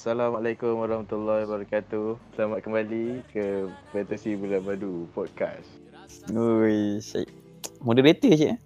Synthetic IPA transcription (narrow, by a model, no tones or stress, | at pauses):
salamalekumwaɾɑhmat̪ulːabaɾakat̪usəlamat̪̚kəmbalikəpɛt̪əsibulabadupɔd̪̚ka̰s | ojsa̰jʔ | mudəbet̪əsiʔ